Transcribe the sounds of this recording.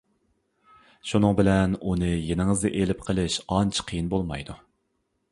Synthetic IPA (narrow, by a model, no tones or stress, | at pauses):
ʃunɨŋbɪlɛnunɨjenɪŋɨzd̪ɛʔelɪpqʰəlˠɪʃɑnt͡ʃʰqʰijinbolˠmɑ̰jd̪u